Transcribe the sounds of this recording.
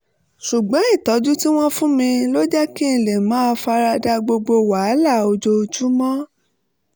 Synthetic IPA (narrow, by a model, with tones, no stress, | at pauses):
ʃu˨ɡ͡bɔ̃˨˦ĩ˦˨tɔ˨˦d͡ʒu˦ti˦w̃ɔ̃˦fũ˦mĩ˧lo˦d͡ʒɛ˦ki˦˨le˨mã˨˦˧fa˧ɾa˧da˧ɡ͡bo˧ɡ͡bo˧wa˨˦la˦˨o˧d͡ʒo˧d͡ʒu˦mɔ̃˦